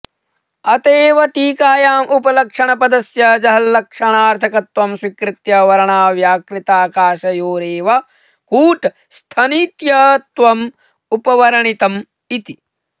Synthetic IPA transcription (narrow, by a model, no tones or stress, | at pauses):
ɐt̪eːʋɐʈiːkaːjaːmʔupɐlɐkʂɐɳɐpɐd̪ɐsjɐd͡ʒɐɦɐlːɐkʂɐɳaːɾt̪ʰɐkɐt̪ʋɐmswikɾɪt̪jɐʋɐɾɐɳaːʋjaːkɾit̪aːkaːʃɐjoːɾeːʋɐ | kuːʈ | st̪ʰɐniːt̪jɐt̪ʋɐm | upɐʋɐɾɐɳit̪ɐm | it̪i